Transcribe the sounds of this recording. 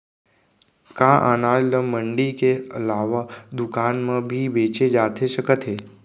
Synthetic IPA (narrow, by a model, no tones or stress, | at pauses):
kaʔa̰nalləməɳɖikeəlaːʋad̪ʊkanmãbʱiʋeːt͡ʃed͡ʒaːt̪ʰeʃəkət̪ʰɦe